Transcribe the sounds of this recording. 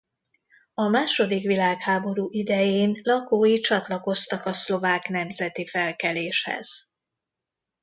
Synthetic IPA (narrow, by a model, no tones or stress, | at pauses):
ɒmaːʃo̞d̪ikʋilaːkhaːbo̞ɾuːʔid̪ɛjeːnlɒkoːjit͡ʃɒt̪lɒko̞st̪ɒkɒslo̞vaːkn̪ɛmzɛt̪ifɛlkɛleːʃhɛ̰z̥